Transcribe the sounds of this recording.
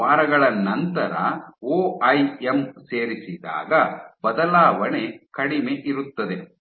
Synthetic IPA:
aːɾɐɡɐɭɐnɐnt̪ɐɾɐ̰oːɐjemseːɾisid̪a̰ːɡɐbɐd̪ɐlaːʋɐɳe̞kɐɽimeʔiɾut̪ːɐd̪e̞

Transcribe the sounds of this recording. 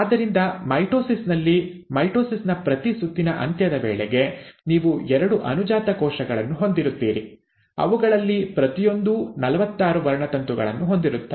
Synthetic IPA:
aːd̪ːɐɾind̪ɐmɐjʈoːsisnɐlːimɐjʈoːsisnɐpɾɐt̪isut̪ːinɐʔɐ̰nt̪jɐd̪ɐʋeːɭɛɡe̞niːʋuɛɾɐɽuʔɐ̰nud͡ʒaːt̪ɐkɔːʃɐɡɐɭɐnːuɦo̞nd̪iɾut̪ːiːɾi | ɐ̰ʋuɡɐɭɐlːipɾɐt̪ijo̞nd̪unɐlɐʋɐt̪ːaːɾuʋɐɾɐɳɐt̪ɐnt̪uɡɐ̰ɭɐ̰nːuɦo̞nd̪iɾut̪ːɐ

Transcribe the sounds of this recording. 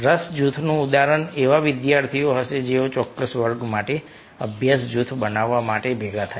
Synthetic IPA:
ɾəsd͡ʒut̪ʰnũud̪aɾəɳeʋaʋɪd̪jaɾt̪ʰioɦəʃed͡ʒeot͡ʃɔkːəsʋəɾɡmaʈe | əbʱjasd͡ʒut̪ʰbənaʋːamaʈebʱeɡat̪ʰa

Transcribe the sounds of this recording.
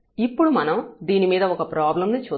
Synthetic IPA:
ipːuɽumɐnɐmd̪iːnimiːd̪ɐɔkɐpɾaːblɐmnit͡ʃuː

